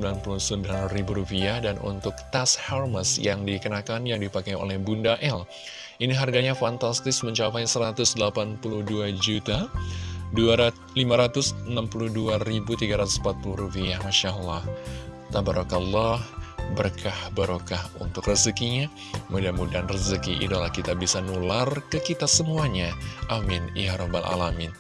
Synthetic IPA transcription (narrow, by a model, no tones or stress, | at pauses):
əmbilanpuluhsəmbilanribuɾupiahdanʔṵnt̪ʊk̚t̪ashɛrməsjaŋdikənakanjaŋdipakajo̰lɛhbundaʔɛl | iniɦarɡaɲafant̪ast̪ɪsməɲt͡ʃapajsəɾat̪ʊsdəlapanpuluhduad͡ʒut̪a | dua | limaɾat̪ʊsənampuluhduaɾibut̪iɡaɾat̪ʊ̥sm̩pat̪̚puluhɾufiahmaʃaʔəlːaht̪abaɾɔkalːɑhbərkʰahbaɾokahṵnt̪ʊkrəzəkiɲa | mudamudanrəzəkiʔḭdalahkit̪abisanularkəkit̪asəmuaɲaʔamɪnḭjaɾoba̰lʔa̰lamɪn